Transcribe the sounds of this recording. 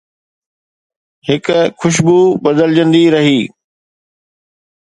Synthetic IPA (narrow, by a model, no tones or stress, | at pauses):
hɪkkʰʊʃ̬buːbɐd̪əld͡ʑə̃nd̪iɾɐɦiː